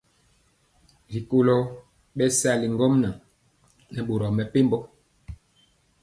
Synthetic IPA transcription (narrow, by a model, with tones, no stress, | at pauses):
ɾi˨ko˨lo˦ | ɓɛ˦sa˦˨li˨ŋɡo˦mna˨ | nɛ˨ɓo˨ɾɔ˨mɛ˨pe˦mbɔ˦